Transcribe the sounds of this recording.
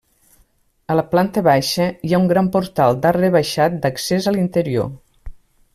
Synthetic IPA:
ələplant̪əβaʃəjauŋɡɾampuɾt̪alˠd̪arəβaʃat̪̚d̪əksezəlint̪əɾio̰

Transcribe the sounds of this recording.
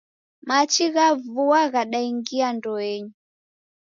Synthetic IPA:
mat͡ʃiɣavuaɣaɗaiŋɡiandɔɛɲu

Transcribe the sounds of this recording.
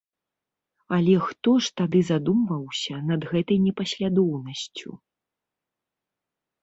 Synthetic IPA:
ɐlʲɛxt̪ɔʂt̪ad̪ɨzad̪umvɐwsʲɐnɐd̪ɣɛt̪ɐjnʲɛpɐsʲlʲad̪ɔwnɐsʲt͡sʲṵ

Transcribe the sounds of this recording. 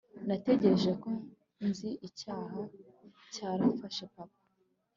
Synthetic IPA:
nate̞ɟe̞ɾe̞ʒe̞ko̞ | nziʔicaːɦa | caːɾafaʃepapḁ

